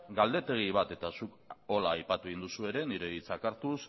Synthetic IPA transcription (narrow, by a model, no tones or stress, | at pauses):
ɡald̪e̞t̪e̞ɣ̞iβ̞at̪e̞t̪asuk | o̞laːjpat̪ueind̪usue̞ɾe̞niɾe̞ðit͡sakaɾt̪us